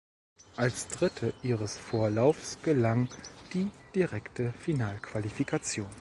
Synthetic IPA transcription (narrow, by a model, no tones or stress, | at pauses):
ʔalsd̥ʁɪtʰəʔiːʁəsfoːɐlaʊfsɡ̥əlaŋd̥iːd̥iʁɛktʰəfinaːlkv̥alifikʰat͡sjoːn